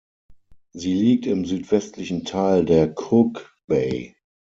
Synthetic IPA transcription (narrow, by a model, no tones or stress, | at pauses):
ziːliːk̚tɪmzyːtv̥ɛstʰlɪçn̩tʰaːldeːɐkʰʊk | b̥eɪ